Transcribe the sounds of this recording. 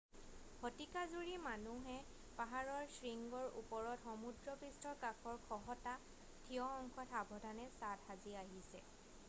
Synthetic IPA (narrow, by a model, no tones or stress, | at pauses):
hʰɔtikazuɹimanuɦɛ | paɦaɹɔɹsɹiŋɡɔɹṵpɔɹɔtxɔmudɹɔpɹistɔkakʰɔɹkʰɔɦɔta | tʰiɔxɔŋkʰɔtʰabʱɔdʱanɛsathaziaɦisɛ̰